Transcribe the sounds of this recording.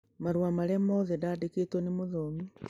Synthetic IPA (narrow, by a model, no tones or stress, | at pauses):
maɾwamaɾemoðedadeketonemoðomi